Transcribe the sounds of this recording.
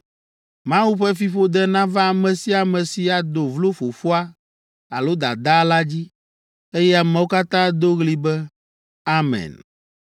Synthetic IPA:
mã˦wu˦ɸɛ˦fi˦ɸo˦d̪ɛ˦nã˦vã˦a˨mɛ̃˨si˦a˨mɛ̃˨si˨a˨d̪o˨vlo˦fo˨fo˦a˦ | a˨lo˦d̪a˨d̪a˦la˦d͡ʑi˦ | e˦jɛ˦a˨mɛ̃˨˦wo˦ka˦t̪ã˦d̪o˦ɣli˦bɛ˦ | a˦mɛ̰̃˨n

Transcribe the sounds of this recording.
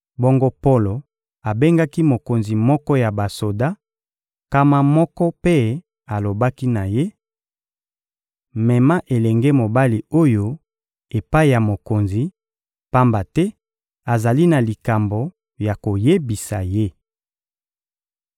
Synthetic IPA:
bo˦ŋɡo˦po˦lo˨ | a˨be˦ŋɡa˦ki˦mo˨ko˨nzi˨mɔ˦kɔ˦ja˨ba˨so˨da˦ | ka˦ma˦mɔ˦kɔ˦pe˦ | a˨lo˨ba˦ki˦na˨je˦ | mɛ˨ma˦ʔe˨lɛ˨ŋɡɛ˦mo˨ba˦li˨o˦jo˦ | e˨pa˦i˦˨ja˨mo˨ko˨nzi˨ | pa˦mba˨tɛ˦ | a˨za˨li˦na˨li˨ka˨mbo˨ | ja˨ko˨je˦bi˨sa˨je˦

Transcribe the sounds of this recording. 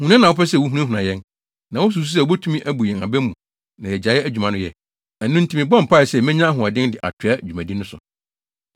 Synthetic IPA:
hũ˨nã˦nã˨wɔ˦pɛ˦s̬ɛ˦˨wʊ˦ɦu˦ã˦ɦũ˨nã˨jɛ̃˦n | nã˨wɔ˦s̬u˨s̬u˦sɛ˦˨ɔ˦bɛ˦tʰu˦mĩ˦ʔæ˦bu˨jɛ̃˨na˨bɛ˦mũ˨ | nã˨jɛ˨d͡ʑa˨˦ɛ˦æ˦d͡ʑᶣu˨mã˨nʊ̃˦jɛ˨ | ɛ˨nʊ̃˦n̩˦tʰi˦mɪ̃˨bɔ̃˦m˨pʰa˦˨ɛ˨sɛ˦˨mɛ̃˦ɲã˦ɦʊ̃˨a˨dɪ̃˦n˦dɪ˨ʔa̰˨tʰɪ˨˦a˦˨d͡ʑᶣu˨mæ̃˨dĩ˦nʊ̃˦sʊ̰˨

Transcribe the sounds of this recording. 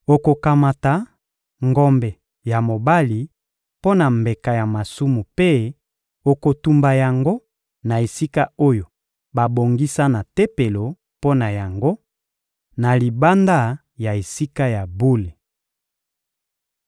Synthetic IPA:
o˨ko˨ka˨ma˨ta˨ | ŋɡɔ˦mbɛ˨ | ja˨mo˨ba˦li˨ | po˦na˨mbe˨ka˨ja˨ma˨su˦mu˨pe˦ | o˨ko˨tu˨mba˨ja˨ŋɡo˦ | na˨e˨si˦ka˦o˦jo˨ | ba˨bo˨ŋɡi˦sa˦na˨te˦pe˨lo˨ | po˦na˨ja˨ŋɡo˦ | na˨li˨ba˦nda˦ | ja˨e˨si˦ka˦ja˨bu˦le˨

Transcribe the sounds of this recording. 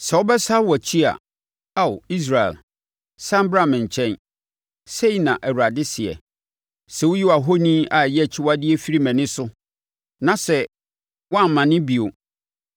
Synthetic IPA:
sɛ˨wɔ˦bɛ˦sa˦wɔ˨t͡ɕʰi˦a̰˨ | a˦wi˦s̬ɾa˨ɛ̰˨l | sã˦m˦bɾã˦˨mɪ̃˨ɲ̩˨t͡ɕʰɛ̃˦n | se˦i˨nã˨ʔæ˨wu˨ɾa˨dɪ˦sɪ˨ɛ̰˨ | sɛ˨wʊ˦ji˦wa˨ɦo˦nĩ˦a˨jɛ˦˨t͡ɕʰɪ˦wa˦dɪ˦ɛ˦fi˦ɾi˦mɛ̃˨nɪ̃˦sʊ˦ | nã˨sɛ˨ | wɔ˦a˦m˨mã˨nɪ̃˦bi˨o˨

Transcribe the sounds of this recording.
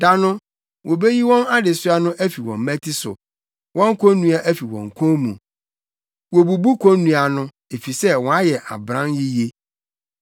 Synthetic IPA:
da˨nʊ̃˦ | wo˨be˦ji˦wɔ̃˦na˦dɪ˨sʊ˦a˦nʊ̃˦ʔæ˦fi˨wɔ̃˨m˦mæ̃˦tʰi˦sʊ̰˨ | wɔ̃˦ŋ˦kʰõ˦nũ˦a˨ʔæ˦fi˨wɔ̰̃˨ŋ˨kʰõ˦mṵ̃˨ | wo˨bu˨bu˦kʰõ˦nːũ˨a˨nʊ̃˦ | e˨fi˨sɛ˦wɔ̃˨a˦jɛ˨ʔa̰˨bɾã˦nji˦je˦

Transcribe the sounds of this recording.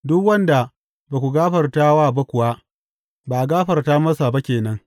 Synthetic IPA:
dʊ˦kwɐ˦nda˨ | baː˨kʷu˨ɡaː˦ɸɐ˨rta˦waː˦˨ba˦kʷʊ˨wa˦ | ba˨ʔa˨ɡaː˦ɸɐ˨rtaː˦mɐ˦sa˨ba˦kʲeː˨nɐ˦ŋ

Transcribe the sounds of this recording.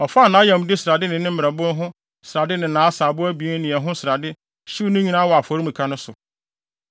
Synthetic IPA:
ɔ˨fnãː˨˦jɛ̃˨m˨dɪ˦sɾa˨dɪ˦nɪ̃˨nɪ̃˦m̩˦mɪ˨ɾɛ˨bʊ̃˦n˦ɦʊ̃˦ | sɪ˨ɾa˨dɪ˦nɪ̃˨nãː˨˦saː˨bʊ˦æ˦bi˨˦nɪ̃˨ɛ˨ɦʊ̃˦sɪ˨ɾa˨dɪ˦ | ɕi˦nʊ̃˦ɲĩ˨nãː˦wɔ˨a˨fɔ˨ɾi˦mũ˨kʰa˦nʊ̃˦sʊ˨

